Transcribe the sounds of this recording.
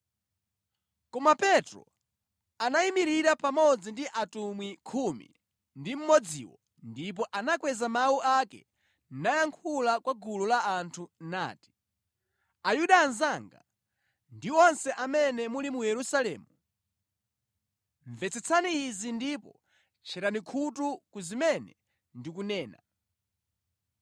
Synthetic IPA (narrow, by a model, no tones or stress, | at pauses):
kɔmapɛtɾɔ̰ | anaimiɾiɾapamɔd͡zindiʔatumwikʰumḭ | ndim̩mɔd͡zḭwɔ | ndip̬ɔʔanakwɛzamawuʔakɛ̰ | najaŋkʰulakwaɡululaantʰuna̰ːti̥ | ajuɗanzaŋɡa̰ | ndiɔnsɛʔamɛnɛmulimujɛɾusalɛ̰ːmu | ɱvɛt͡sɛt͡sʰaniːzindipɔ | t͡ʃʰɛɾanikʰutukuzimɛnɛ̰ | ndik̬unɛːna